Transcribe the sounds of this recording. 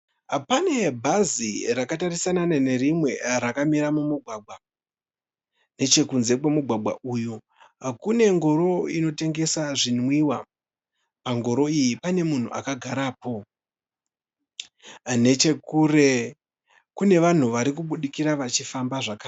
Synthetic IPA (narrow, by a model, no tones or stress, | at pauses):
pane̞bʱazirakatarisananane̞rimwe̞ɾakamiɾamumuɡʱwaːɡwa | ne̞t͡ʃe̞kunze̞kwe̞muɡʱwaɡʱwa̰ʔuːju | kune̞ŋɡo̞ɾo̞ino̞te̞ŋɡe̞saʐinwiwa | paŋɡo̞ɾo̞ijipane̞mun̤ṵʔa̰kaɡʱaɾapo̞ | ne̞t͡ʃe̞kure | kune̞ʋan̤uʋaɾikuɓuɗikiɾaʋat͡ʃifambaʐakaː